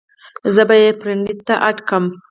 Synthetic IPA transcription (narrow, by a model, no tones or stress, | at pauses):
zəbajepɾɪɳd̪it̪ːaʔaʈkəm